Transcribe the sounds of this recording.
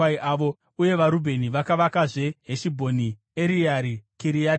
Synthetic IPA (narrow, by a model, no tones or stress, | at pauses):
aiʔaʋo̞ | uje̞ʋaɾubʱe̞niʋakaʋakaʐe̞ɦeʃibʱo̞ni | eɾijaɾikiɾia